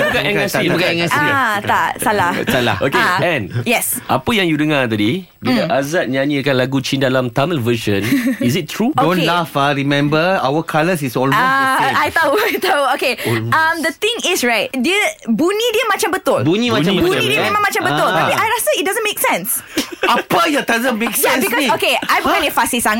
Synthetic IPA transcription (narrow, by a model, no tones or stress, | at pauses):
bkaʔɛŋasbukaɛ̃ŋasat̪aʔsalahsala̰hokeɛ̃njɛsʔapəjaŋjudəŋat̪adi | bilaʔazat̪̚ɲãnĩakanlaɡut͡ʃindalamt̪aməlvəʃə̃nisit̚t̪ʰɹudõnlafaɾimɛ̃mbəa̰wəkʰaləsisɔlaajt̪auajt̪auokeamd̪ət̪ɪ̃ŋɪsɹaɪt̚dəbunĩdiəmãt͡ʃambət̪ʊlbunĩmaãbəbnĩdiəmẽmãŋmat͡ʃambəʊlt̪apiajlastəit̚dazə̃nmeksɛ̃ns | apajat̪azə̃nmːeksɛ̃nbikɔokeajbəkãnəfasisaŋ